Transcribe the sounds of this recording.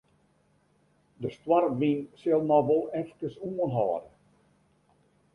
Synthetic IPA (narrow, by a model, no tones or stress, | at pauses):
dəstwarʋinsɪlˠmɔʋɔlˠɛfkəsuənɦɔːdə